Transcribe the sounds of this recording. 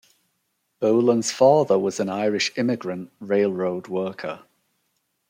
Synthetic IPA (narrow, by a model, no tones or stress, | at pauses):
b̥oʊlə̃nz̥fɑːðəwɒzə̃naɪɹɪʃɪmɪɡɹə̃nʔɹeɪlˠɹoʊdwɜˑkʰə